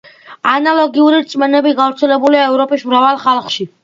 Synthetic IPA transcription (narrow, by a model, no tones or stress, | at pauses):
analˠɔɡiuɾiɾt̪sʼmɛnɛbiɡavɾt̪sʰɛlɛbuliaɛvɾɔpʼismɾavalˠχalˠχʃi